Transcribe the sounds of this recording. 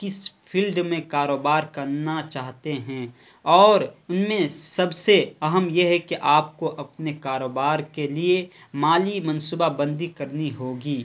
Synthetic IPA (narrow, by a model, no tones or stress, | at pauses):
kɪspʰilɖmẽkaːɾoːbaːɾkɐɾnat͡ʃaːɦt̪eɦɛ̃ː | ɔːɾʊnmẽsɐbseɐɦəmjeɦɛkeʔaːp̚koʔɐpnekaːɾoːbaːɾkelie | maːlimɐnsubabɐ̃nd̪ikɐɾniɦoːɡiː